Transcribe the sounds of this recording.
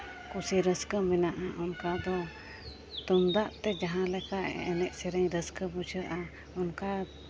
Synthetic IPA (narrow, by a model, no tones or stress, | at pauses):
kusiɾəskəminaʔaʔunkad̪ɔ | t̪umd̪aʔt̪ɛd͡ʒaɦãlɛka̰ɛnɛʔsɛɾəɲɾəskəbut͡ʃʰəʔa | unka